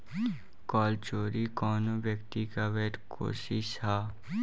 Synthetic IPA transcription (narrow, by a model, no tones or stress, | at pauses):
kɔːlt͡ʃoːɾikɔːnobjəkt̪ikaʋeːʈkʰo̰ːsiʃhaː